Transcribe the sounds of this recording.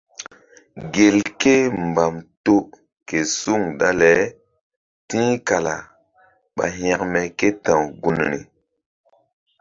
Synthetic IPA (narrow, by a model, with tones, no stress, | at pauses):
ɡe˨lke˦mba˨mto˦ | ke˨su˦˨ŋda˦lɛ˨˦ | tĩ˦ka˨la˨ | ɓa̰˨ɦa˨kmɛ˨ke˦tã˨wɡu˦ni˨nḭ˨